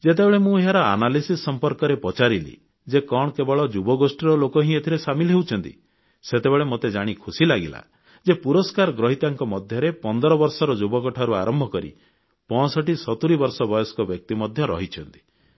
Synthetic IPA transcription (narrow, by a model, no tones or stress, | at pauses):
d͡ʒet̪̬ebeɭemũeɦaɾɔa̰nalisisːɔmpɔɾkɔɾepɔt͡ʃaɾilḭ | d͡ʒekɔɳɔkebɔɭɔd͡ʒubɔɡosʈiɾɔlokɔɦĩet̪ʰiɾesamilɔɦewt͡ʃʰɔnt̪ḭ | set̪ebeɭemot̪ed͡ʒaɽ̃ikʰusilaɡila̰ | d͡ʒepuɾɔskaɾɔɡɾɔɦit̪aŋkɔmɔd̪ʱjɔɾepɔnd̪ɔɾɔbɔɾsɔɾɔd͡ʒubɔkɔʈʰaɾua̰ɾɔmbʱɔkɔɾḭ | pɔ̃ɔsɔʈisɔt̪uɾibɔɾsɔbɔjɔskɔbjɔk̚t̪imɔd̪ʱjɔɾɔ̰ɦit͡ʃʰɔnt̪i̥